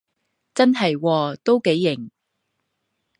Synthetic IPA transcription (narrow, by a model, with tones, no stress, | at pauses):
t͡sɐ˥nɦɐ˨jwɔː˧t̪o˥wke˨˥jːɪ˨˩ŋ